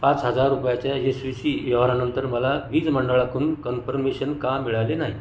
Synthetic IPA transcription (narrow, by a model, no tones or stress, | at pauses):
pãt͡sɦəd͡zaɾːupjat͡ɕjaesʋisijoʋɾanənt̪əɾməlaʋiːd͡zməɳɖəɭakuːnkənfəɾmeɕənkamiɭalenaɦi